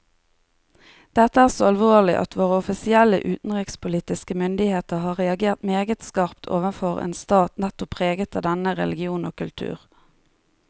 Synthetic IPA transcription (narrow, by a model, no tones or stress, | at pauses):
d̪̥ɛt̪əæːʁsoːɑlʋoːlɪʔɑ̰t̪ʰʋoːʁəʊfɪsɪɛlə̰ʔʉːt̪n̩ʁɪkspʰʊliːt̪ɪskəmʏnd̪ɪheːt̪əʁhɑːʁɛɑɡeːʁt̪meːɡət̪skɑːʁpt̪ʰo̰ːʋənfɔʁḛːnst̪ɑːt̪nɛt̪ɔpʰːʁeːɡət̪ʰɑd̪ɛnəʁɛ̰lɪɡɪuːnoːkʉlt̪ʰʉ̰ːʁ